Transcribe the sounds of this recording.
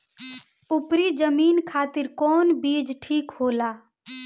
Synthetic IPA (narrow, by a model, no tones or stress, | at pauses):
ʊpɾid͡ʒəmiːnkʰaːt̪ɪɾkɔːnbiːd͡ʒʈʰiːkhoːlaː